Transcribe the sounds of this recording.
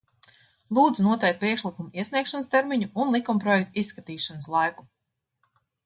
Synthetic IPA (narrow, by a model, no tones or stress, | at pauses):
lˠuːd̪zunuɔt̪ɛk̚t̪̚pɾiɛkʃlˠikumuiɛsniɛkʃanst̪ɛɾmiɲuʔːnlˠikumpɾɔjɛk̚t̪isːkat̪iːʃanəslˠajku̥